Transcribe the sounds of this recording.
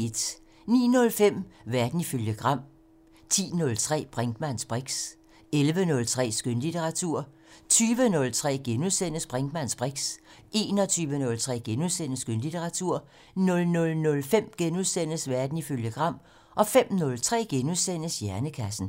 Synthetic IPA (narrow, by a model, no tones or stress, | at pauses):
e̝d̥ | nḭːnɔ̽lfem̰ʋæɐd̥n̩iføljəɡ̥ʁɑ̈m̰ | t͡sʰḭːnɔ̽lt͡sʰʁɛ̰ːb̥ʁeŋɡ̥mæn̰sb̥ʁeɡ̥s | elʋənɔ̽lt͡sʰʁɛ̰ːsɡ̥ønlit͡sʰeʁɑ̈t͡sʰuɐ̰ | t͡sʰyːʋənɔ̽lt͡sʰʁɛ̰ːɡ̥enuðˠsen̰əsb̥ʁeŋɡ̥mæn̰sb̥ʁeɡ̥sʔe̝ːnɒ̽t͡sʰyːʋənɔ̽lt͡sʰʁɛ̰ːɡ̥enuðˠsen̰əsɡ̥ønlit͡sʰeʁɑ̈t͡sʰuɐ̰ | nɔ̽lnɔ̽lnɔ̽lfem̰ɡ̥enuðˠsen̰əsʋæɐd̥n̩iføljəɡ̥ʁɑ̈m̰ | ʔɒ̽fem̰nɔ̽lt͡sʰʁɛ̰ːɡ̥enuðˠsen̰əsjæɐnəkʰæsn̩